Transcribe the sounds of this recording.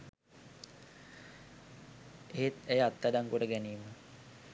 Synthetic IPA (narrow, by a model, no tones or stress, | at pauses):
eɦet̪æjəat̪ːadaŋkoɖəɡæniːmə